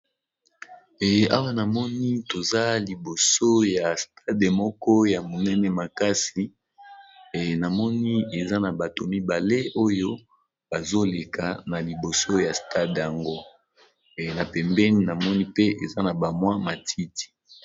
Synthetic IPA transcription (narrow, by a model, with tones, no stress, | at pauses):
ɛ˨˦a˦wa˦na˨mɔ˦ni˦to˨za˦li˨bo˨so˦ja˨stʰa˦de˨mɔ˦kɔ˦ja˨mo˨nɛ˦nɛ˨ma˨ka˦si˨ | na˨mɔ˦ni˦e˨za˦na˨ba˨to˨mi˦ba˨le˦ʔo˦jo˦ | b̥a˨zo˦le˨ka˨na˨li˨bo˨so˦ja˨sta˦dja˨ŋɡo˦˨ | na˨pɛ˨mbɛ˦ni˦na˨mɔ˦ni˦pe˦ʔe˨za˦na˨ba˨mwa˦ma˨tʰi˦ti̥˨